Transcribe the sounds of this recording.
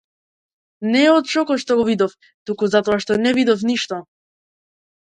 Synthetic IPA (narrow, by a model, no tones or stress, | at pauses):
nɛɔt̪ʃɔkɔʃt̪ɔɡɔvid̪ɔf | t̪ukuzat̪ɔaʃt̪ɔnɛvid̪ɔfniʃt̪ɔ